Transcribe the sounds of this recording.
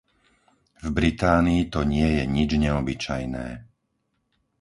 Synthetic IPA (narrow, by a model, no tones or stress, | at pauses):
vbɾit̪aːniːt̪ɔɲɪɛjɛɲid͡ʒɲɛɔbit͡ʃajnɛ̰ː